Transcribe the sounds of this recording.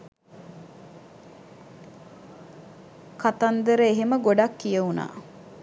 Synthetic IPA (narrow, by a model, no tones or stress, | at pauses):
kat̪and̪əɾəeɦeməɡoɖakːijəuna̰ː